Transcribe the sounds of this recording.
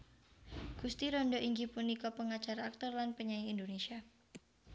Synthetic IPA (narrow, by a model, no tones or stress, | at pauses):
ɡ̥ust̪iɾɔndɔʔiŋɡipunikɔpəŋat͡ʃaɾaːk̚t̪ɔrlanpəɲajiindonesia